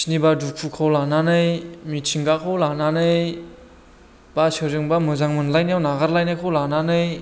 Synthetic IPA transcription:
snibadukʰukʰawlananɯjmitʰiŋɡakʰawlananɯj | basɯzɯŋbamɯzaŋmɯnlajnijawnaɡaɾlajnajkʰɔwlananɯj

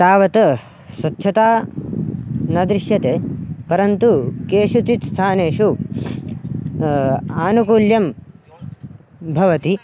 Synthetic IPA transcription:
t̪aːʋɐt̪ɐ | sɐt̪ːʃʰɐt̪aː | nɐd̪ɾɪʃjɐt̪eːpɐɾɐnt̪ukeːʃut̪it̪st̪ʰaːneːʃu | aːnukuːljɐm | bʱɐʋɐt̪i

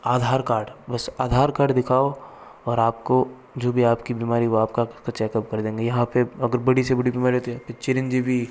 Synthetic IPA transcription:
aːd̪ʱaːɾkaːɾɖbɐsaːd̪ʱaːɾkaːɖd̪ɪkʰaːo | ɔːɾaːp̚ko | d͡ʒoːbʱiaːpkibiːmaːɾiʋoaːp̚kaɪskat͡ʃɛːkəp̚kɐɾd̪ẽːŋɡejɐɦãpeɐɡəɾbɐɽisebɐɽibiːmaːɾiɦoːt̪ijapet͡ʃɪɾɪnd͡ʒibʱi

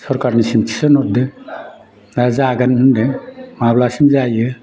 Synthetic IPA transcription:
sɔɾkaɾnisimt͡ʃʰi̥sɯnɔt̚d̪ɯ | dazaɡanhɯndemablasimzajɯ

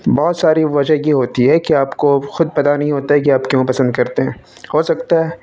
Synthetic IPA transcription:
bɔːt̪saːɾiʋɐd͡ʒəɦjeɦoːt̪iɦɛkiaːpkoxʊd̪̚pɐt̪anɐɦĩɦoːt̪aɦɛk̬iaːpkjõːpɐsə̃nd̪̚kɐɾt̪eɦɛ̃ː | hoːsɐk̚t̪aɦɛː

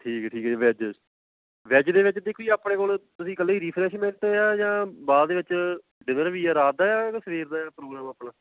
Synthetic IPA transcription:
ʈʰiːkːʈʰiːkɛʋɛːd͡ʒ | ʋɛːd͡ʒd̪eːʋɪt͡ʃd̪ekʰoiːaːpɳeːkoːlt̪ʊsĩːkəlːaiːɾiːpʰɾɛːʃmɛ̃ːɳʈeːaːd͡ʒãːbaːd̪d̪eːʋɪt͡ʃ | ɖɪnəɾʋiːaːɾaːd̪aːaːsəʋeːɾd̪aːjaːpɾoːɡɾaːmaːpɳãː

